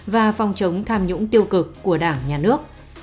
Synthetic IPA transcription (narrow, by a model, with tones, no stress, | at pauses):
vaː˨˩fɔ˨˩wŋ͡mt͡ɕə˨˦wŋ͡mt̪ʰaː˧mɲʊ̰˧˥ŋ͡mt̪i˧əwkɨ˨˩kːu˧˩əɗaː˧˩ŋɲaː˨˩nɨ˦˥ək̚